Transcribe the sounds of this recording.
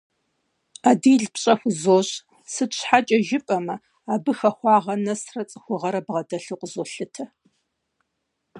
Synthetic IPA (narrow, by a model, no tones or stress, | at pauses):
aːdiːɮpɕʼɐxʷʊzoːɕ | sɨɕħat͡ʃʼɐʒɪpʼɐmɐ | aːbɨxɐxʷɑːʁɐnɐsrɐt͡sʼɨxʷʊʁɐɾɐbʁɐdɐɬuːqʷʼəzoːɬɨtʰɐ